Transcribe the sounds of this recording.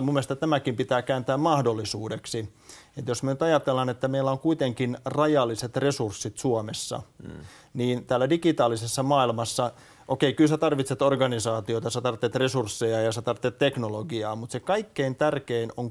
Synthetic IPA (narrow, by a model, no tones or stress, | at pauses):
mumːeest̪ɑt̪æmækimpit̪æːkæːnt̪æːmmɑhdolːisuːdeksi | et̪josmænyt̪ɑjɑt̪elːɑnet̪ːæmeilːæoŋkuit̪eŋkinrɑjɑlːiset̪resursːit̪suomesːɑ̰ | niːnt̪æːlːædikit̪ɑːlisesːɑmɑːilmɑsːɑ | ʔokeikylsæt̪ɑrʋit̪set̪orɡɑnisɑːt̪ioit̪ɑsæt̪ɑrt̪ːˑet̪resursːejɑjɑset̪ɑrt̪ːˑet̪t̪ːeknoloɡiɑːmut̪sekɑikːeint̪ærkeinoŋ